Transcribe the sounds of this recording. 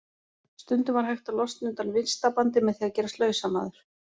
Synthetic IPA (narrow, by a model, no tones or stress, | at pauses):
st̪ʏnt̪ʏvaɾ̥ɦajxt̪alɔst̪nʏnt̪anvɪnst̪apant̪̬ɪmɛðθiːaðcɛːɾast̪lœːɥsama̰ːðʏɾ̥